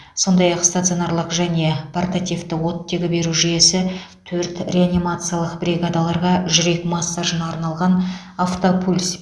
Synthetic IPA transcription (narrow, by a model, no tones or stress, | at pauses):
so̞nd̪ɑjɑqst̪at̪sionarlˠəqʒæne̞pʰart̪at̪ʲijft̪ɪwo̞t̪ːe̞ɡʲɪbe̞ɾuʒije̞sɪ | t̪ʰɵɾt̪ɾʲeanʲimat̪sɨjalˠəqbɾʲiɡad̪alˠɑɾʁɑʒʏɾe̞kmasːaʒənɑɾnɑlˠʁɑn | aft̪opʰulʲs